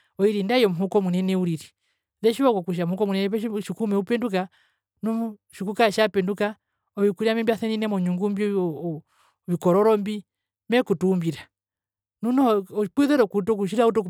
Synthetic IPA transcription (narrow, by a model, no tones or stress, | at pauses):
ɔiɾindajɔmuɦukɔmunɛnɛuɾiɾi | ðɛʃiβakɔkuʃ̬amuhukɔmunɛnɛpɛʃikumɛupɛnduka | numuʃikukaʃapɛnduka | ɔβikuɾiamɛmbiaθɛninɛmɔɲuŋɡumbi | βikɔɾɔɾɔmbi | mɛkutumbiɾa | nunɔk͡piðɛɾɔkutɔk̬uʃ̬iɾaut̬ɔk